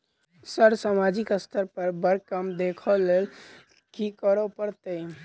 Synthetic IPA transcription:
səɾsamad͡ʒikəst̪ʰəɾpəɾbəɾkəmd̪ekʰəlːel | kikəɾɔpəɾt̪əj

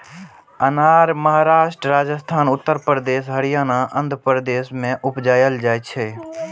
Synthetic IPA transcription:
ənaːɾməɦaɾaːʃʈɾəɾad͡ʒəst̪ʰaːnʊt̪ːəɾpɾəd̪eːsɦəɽijaːnaʔənd̪ʱpɾəd̪eːsmẽʔʊpd͡ʒaːjəld͡ʒajt̪̚t͡ʃʰɛ

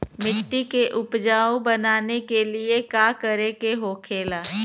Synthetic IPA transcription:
mɪʈːikeʔʊpd͡ʒaːõbɐnaːnekeliekaːkəɾekeɦoːkʰeːlaː

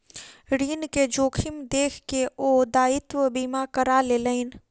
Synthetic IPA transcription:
ɾiːnked͡ʒoːkʰɪmd̪eːkʰkeoːd̪aːɪt̪wəbiːmakəɾaleːləɪn

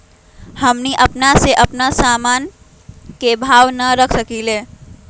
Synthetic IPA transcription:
həmniʔəpnaseʔəpnasaːmaːn | kebʱaːwnəɾəkʰsəkileː

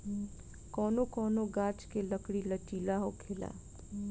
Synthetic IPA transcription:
kɔːnokɔːnoɡãːt͡ʃkeləkɽilət͡ʃiːlaɦokʰeːla̰ː

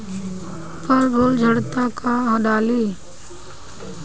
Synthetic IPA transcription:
pəɾːoːld͡ʒʱəɽt̪aːkaːə̃ɗaːliː

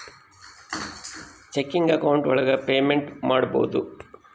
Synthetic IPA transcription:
t͡ʃekːiŋɡɐkɐwuɳʈʋɔɭɐɡɐpeːmeɳʈmaːɽubo̰ːd̪u

